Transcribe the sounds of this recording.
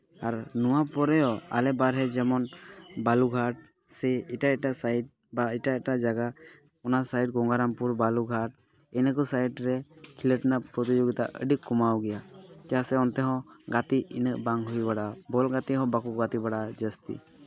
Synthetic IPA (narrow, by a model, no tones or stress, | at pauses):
aɾnɔwapɔɾɛɔa̰lɛbaɾɦɛd͡ʒɛmɔnbaluɡʱaʈ̚ | sɛɛʈaɛʈaʔsajʈ̚ | baiʈaɛʈaʔd͡ʒaɡa | ɔnasajʈ̚ɡɔŋɡaɾampuɾbaluɡʱaʈ̚ | ɛnək̬ɔsajʈɾɛkʰiləʈnapɾɔt̪id͡ʒoɡit̪a̰ʔə̰ɖikkːɔmawɡɛjakasɛɔnt̪ɛɦɔ̃ɡat̪iḭnəʔbaŋɦujbaɽabɔlɡat̪iɦɔ̃bakuɡat̪ibaɽad͡ʒəst̪ḭ